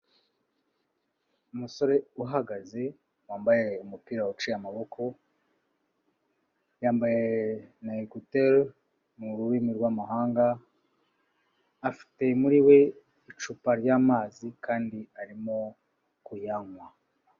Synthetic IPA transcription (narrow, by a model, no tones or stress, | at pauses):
umuso̞ɾe̞uɦaɡaze̞ | waːmbaje̞umupiːɾaut͡ʃijamaβo̞kʰo̞ | jaːmbajenaikuteɾ | nuɾuwiːmiɾɡwamaɦaːŋɡa | fi̥te̞muɾiwe̞ | it͡ʃupaɾɟaːmaːzikʰaːndiaɾimo̞ | kujaŋwa